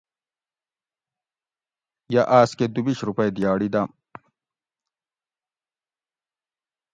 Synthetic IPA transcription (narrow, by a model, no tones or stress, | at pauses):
jaʔaːsked̪ubiɕɾupɐjd̪jaːɽid̪am